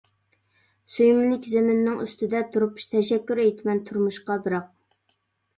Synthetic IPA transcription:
sujmɪlɪkʲzemɪnːɪŋy̰st̪ɪd̪ɛt̪ʰuɾupʃt̪ʰɛʃɛkʲːyɾejt̪ʰɪmɛnt̪ʰuɾmuʃqɑbɨɾɑq̚

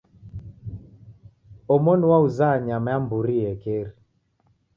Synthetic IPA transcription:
ɔmɔnwauzaɲamaambuɾiɛkeɾi

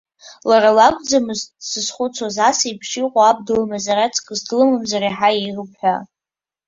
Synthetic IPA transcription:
laralakʷʼd͡zamɨzsɨzχʷʊt͡sʰazasijpʰʂiqʷʼaab̚dɨlmazarat͡sʰʼkʼɨzdlɨmɨmzariħaijrɨpʰħʷᶣa

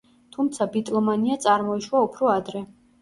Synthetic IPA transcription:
t̪ʰumt̪sʰabit̪ʼlˠɔmaniat̪sʼaɾmɔiʃwaupʰɾɔad̪ɾɛ

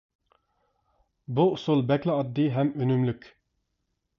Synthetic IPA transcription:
buʊsulˠbɛkʲlˠɪɑd̪ːɨɦɛmynymlykʲ

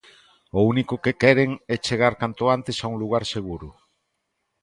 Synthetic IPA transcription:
ounikokekɛɾeŋɛt͡ʃeɣ̞aɾkant̪oant̪esauŋluɣ̞aɾseɣ̞uɾu

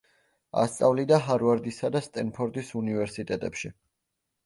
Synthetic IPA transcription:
a̰st̪sʼavlid̪aɦaɾvaɾd̪isad̪ast̪ʼɛnpʰɔɾd̪isunivɛɾsit̪ʼɛt̪ʼɛpʃi

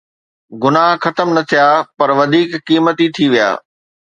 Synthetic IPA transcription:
ɡʊnaːɦxɐt̪əmnɐt̪ʰijaːpɐɾʋɐd̪ʱiːkːiːmət̪it̪ʰiʋija̰ː

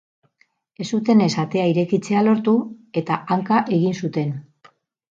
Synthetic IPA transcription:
e̞sut̪e̞ne̞sat̪e̞aiɾe̞kit͡se̞alo̞ɾt̪ue̞t̪aʔaŋkaʔe̞ɣinsut̪e̞n

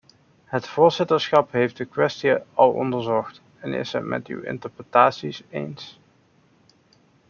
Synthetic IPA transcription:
ɦətfʊːɹzɪtəɹsχɑpɦejft̚dəkʋɛstiəɑlˠɔ̰ndəɹzɔxt | ɛnɪ̰sətmʔɛ̰ty̰wɪ̰ntəɹprətaːtsisḛjns

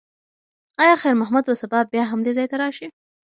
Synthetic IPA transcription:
ɑjɑxejɾmʊɦmud̪wəsabɑbjɑɦamd̪ezɑjt̪aɾɑʃi

